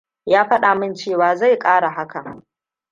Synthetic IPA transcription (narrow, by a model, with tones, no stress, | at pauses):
jaː˦ɸɐ˦ɗa˨mɪ˦˨nt͡ʃeː˦˨waː˨za˦˨jkʼaː˦ɽa˨ɦa˦ka˨